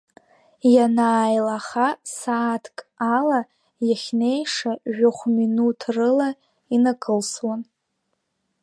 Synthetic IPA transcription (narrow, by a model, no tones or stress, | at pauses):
janaːjlaχasaːtʰkʼala | jaχʲne̞jʂaʒᶣaχʷminutʰrɨla | inaɡkʼɨlswan